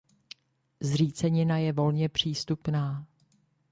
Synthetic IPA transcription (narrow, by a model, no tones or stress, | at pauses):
zr̝iːt͡sɛɲɪnajɛvo̞lɲɛpr̝̥iːst̪upnaː